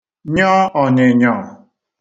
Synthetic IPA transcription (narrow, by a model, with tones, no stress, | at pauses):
ɲɔ˦ɔ˨nɪ˨ɲɔ˦˨